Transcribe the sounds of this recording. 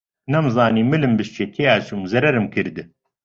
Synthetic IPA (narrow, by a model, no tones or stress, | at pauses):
nɛmzɑːniːmɨlɨmbɨʃt͡ʃʰet̪ʰijaːt͡ʃʰumzɐɾɛɾɨmkɨɾd̪ɨ